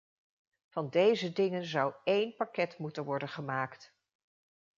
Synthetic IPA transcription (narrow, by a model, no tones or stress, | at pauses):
vɑndejzədɪŋənzɑwejnpakɛtmutənʋɔɹdənχəmaːkt